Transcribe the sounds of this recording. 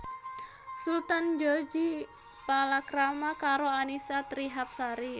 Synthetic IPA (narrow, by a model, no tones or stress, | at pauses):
sult̪and͡ʒɔd͡ʒi | palakɾamakaɾoanisat̪ɾiɦap̚saɾi